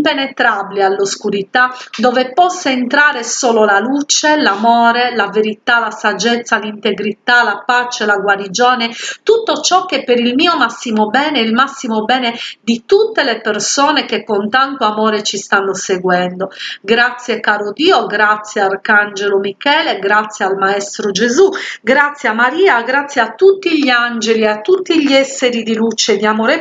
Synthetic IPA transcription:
impenet̪ɾabilialːoskuɾit̪ad̪ɔːvepɔsːaent̪ɾaːɾesɔːlolalut͡ʃelamɔːɾelaveɾit̪alasad͡ʒɛt̪sːalint̪eɡɾit̪alapat͡ʃelaɡwaɾid͡ʒɔːnet̪ut̪ːot͡ʃɔkːepːeɾilmiːomasːimobɛːneilmasːimobɛːned̪it̪ut̪ːelepersɔːnekekːont̪ant̪oamɔːɾet͡ʃist̪anːoseɡwɛnd̪oɡɾat̪sːjekaːɾod̪iːoɡɾat̪sːjeaarkand͡ʒelomikɛːleɡɾat̪sːjealmaɛst̪ɾod͡ʒezuɡɾat̪sːjamːaɾiːaɡɾat̪sjeat̪ːut̪ːiʎiand͡ʒeliat̪ːut̪ːiʎiɛsːeɾid̪ilut͡ʃed̪iamoːɾe

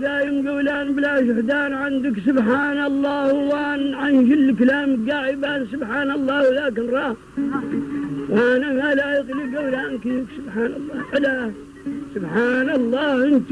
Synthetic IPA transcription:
d̪aːjɪmɡawlaːnbɪlaːʃ̬ɪħd̪aːnʕand̪ɪksʊbħaːnɑlˤːɑːhwaːnʕand͡ʒɪlːklaːmɡaːʕɪbaːnsʊbħaːnɑlˤːɑːhwlaːkɪnɾˤɑː | wanamalaːjɪqliɡawlaːnkiksʊbħaːnɑlˤːɑːhħad̪a | sʊbħaːnɑlˤːɑːhʔɪnt̪

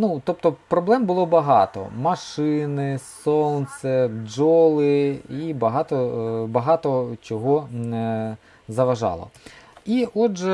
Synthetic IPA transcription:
nut̪ɔp̚t̪ɔpɾɔblˠɛmbʊlˠɔbɐɦɑt̪ɔ̰mɐʃɪnɪsɔnsɛd͡ʒɔlˠɪibɐɦɑt̪ɔbɐɦɑt̪ɔt͡ʃɔɦɔ | zɐʋɐʒɑ̰lˠɔ̰iɔʒɛ

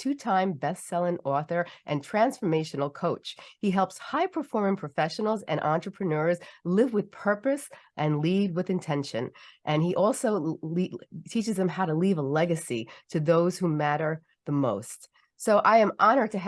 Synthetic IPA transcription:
tʰʉtʰãɪ̃mbɛssɛlˠɪ̃ŋɔθə˞ʔɨ̃ntʰɹ̥æ̃nsfə˞meɪʃɨn̩l̩ˠkʰoʊt͡ʃhiɦɛlˠpshaɪpʰə˞fɔɹmɪ̃ŋpʰɹ̥ɨfɛʃn̩l̩ˠzɨ̰̃ñʔɑ̃nt͡ʃɹ̥əpʰɹ̥ɨnɜ˞zlɪvwɨð̥pʰɜ˞pɨsʔɨ̃nlid̚wɨðɨ̃ntʰɛ̃nʃɨ̰̃nʔɨ̃niʔɔlˠsoʊlitʰit͡ʃɨzðɨ̃mɦaʊɾəlivəlɛɡɨsiɾɨðoʊz̥humæɾə˞ | ðəmoʊst | soʊʔaɪɨ̃mʔɑnə˞tʰɨ

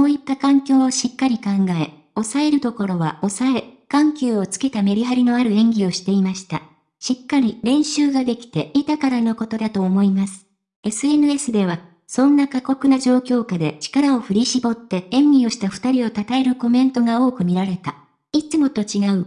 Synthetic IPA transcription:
mo̞ːit̪ːakãŋkʲo̞ːoɕikːaɾʲikãŋɡae̞ | o̞sae̞ɾɯ̟t̪o̞ko̞ɾo̞βao̞sae̞kãŋkʲɨːo̞t͡sɨ̥ke̞t̪ame̞ɾʲiɦaɾʲino̞aɾɯ̟ẽ̞ŋɡʲio̞ɕi̥t̪e̞imaɕi̥t̪a̰ | ɕikːaɾʲiɾẽ̞ɰ̃ɕɨːɡad̪e̞kʲi̥t̪e̞it̪akaɾano̞ko̞t̪o̞d̪at̪o̞ːmo̞imasɨ̥ | e̞sɨe̞nɯ̟e̞sɨd̪e̞β̞a | sõ̞nːakako̞kɯ̟naʑo̞ːkʲo̞ːkad̪e̞t͡ɕi̥kaɾao̞ɸɯ̟ɾʲiɕibo̞t̪ːe̞ẽ̞ŋɡʲio̞ɕi̥t̪aɸɯ̟̥t̪aɾʲio̞t̪at̪ae̞ɾɯ̟ko̞mẽ̞nt̪o̞ɡao̞ːkɯ̟mʲiɾaɾe̞t̪a | it͡sɨmo̞t̪o̞t͡ɕiɡaɯ̟

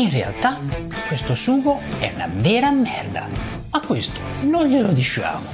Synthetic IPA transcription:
inrea̰lt̪a | kːwest̪ʊsuːɣoɛ̰una̰vɛːɾamːɛ̰rd̪a̰ | akːwest̪ʊ̥ | nonʎelod̪it͡ʃːa̰ːmʊ

